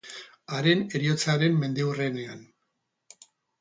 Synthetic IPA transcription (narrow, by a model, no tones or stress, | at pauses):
aɾe̞ne̞ɾiot͡saɾe̞mme̞nd̪e̞urene̞an